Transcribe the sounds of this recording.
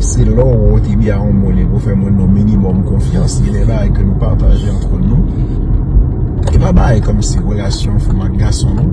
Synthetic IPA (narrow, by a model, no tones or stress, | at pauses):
sɛlɔwɔt̪ebiaɔ̃molepufɛmwɛ̃nɔ̃minimɔmkɔ̃fjɑ̃selɛbaɡajkənũpaʁt̪aʒeɑ̃t̪χənũ | epabaajkɔmsiʁəlasjɔ̃fumak̚ɡasɔ̃